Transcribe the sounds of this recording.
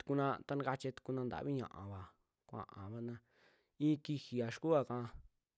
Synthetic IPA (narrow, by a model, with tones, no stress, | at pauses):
t̪u̥˧ku˧nã˧t̪a˧nã˧ka˧t͡ʃe˧t̪u̥˧ku˧nã˧nd̪a̰˨βi˦ɲã̰˨ʔã̰˨βa˨ | kʷã̰˨ʔã˨βa˧nã˧ | i˦ki˧hi˨a˨ʃku˦a˧kã˧